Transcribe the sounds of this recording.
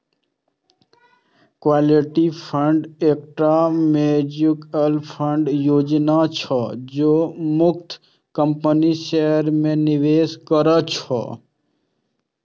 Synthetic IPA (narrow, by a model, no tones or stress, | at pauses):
kʋaːliʈipʰəɳɖek̚ʈɾamed͡ʒɪkəlpʰəɳɖjoːd͡ʒnat͡ʃʰɔd͡ʒoːmʊk̚t̪ʰ | kəmpəniʃeɦəɾmẽnɪʋeːskəɾət͡ʃʰɔ̰